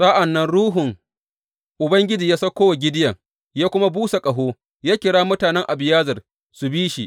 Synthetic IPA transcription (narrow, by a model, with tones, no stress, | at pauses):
sʼa˦ʔa˨nːɐ˦nɽuː˦ɦʊ˨ŋ | ʔʊ˨bɐ˦ŋɡʲɪ˦d͡ʒiː˨jaː˦sɐ˦kʷoː˦wa˨ɡʲɪ˦dɪ˦jɐ˨ | jaː˦kʷʊ˦ma˦buː˦sa˨kʼɐ˨ɦoː˦ | jaː˦kʲɪ˨ɽaː˦mʊ˦taː˨nɛ˦ŋʔa˨bɪ˨jaː˦zɐ˨r | su˨biː˦ʃi˨ʔ